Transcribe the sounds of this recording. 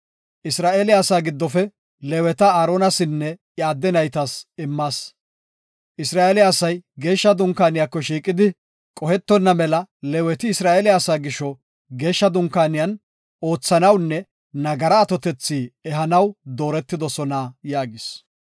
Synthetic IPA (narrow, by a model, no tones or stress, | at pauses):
ʔɪsɾaːʔeːlɪjaːsaːɡɪd̪ːɔfɛ | lɛwɛt̪ɐaːɾoːnɐsɪnːɛʔjaːd̪ːɛnɐjt̪ɐsɪmːaːs | ʔɪsɾaːʔelɪjaːsɐjɡe̞ːʃːɐd̪ʊŋkːaːnɪjakːɔʃiːkʼɪd̪ɪ | kʼɔhɛt̪ːɔnːɐmɛlɐlɛwɛt̪ɪːsɾaːʔeːlɪjaːsaːɡɪʃːɔ | ɡe̞ːʃːɐd̪ʊŋkːaːnɪjɐn | o̞ːt͡sːɐnɐwnːɛː | ɐɡɐɾɐːt̪ɔt̪ɛt͡sːiːɛɦɐnɐwd̪o̞ːɾɛt̪ːɪd̪ɔsɔnajaːɡɪs